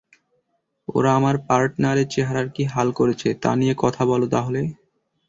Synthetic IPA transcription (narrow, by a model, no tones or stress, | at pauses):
o̰ɾaamaɾpaɾʈnaɾet͡ɕeɦaɾaɾkiɦalkoɾet͡ɕʰet̪a̰nijekɔt̪ʰabɔlot̪aɦole